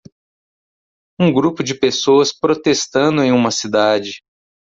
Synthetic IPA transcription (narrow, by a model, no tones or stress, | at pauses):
ũɡɾupʊd͡ʒɪpesoɐspɾot̪est̪ɐ̃nd̪ʊẽj̃ũmɐsid̪ad͡ʒɪ